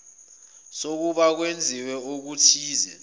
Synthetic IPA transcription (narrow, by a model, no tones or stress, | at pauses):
sok̬uɓak̬wend͡zʱiwɛok̬utʰiːzɛ̰